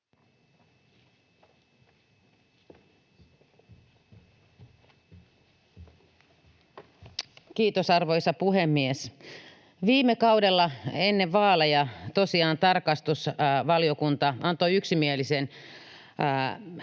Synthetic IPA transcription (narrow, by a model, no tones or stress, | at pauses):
kiːt̪osɑrʋo̞jsɑpuɦemːies | ʋiːmːekɑudelːɑe̞nːeʋʋɑːlejɑt̪o̞siɑːnt̪ɑrkɑst̪usʋɑliokunt̪ɑɑnt̪oyksimielisen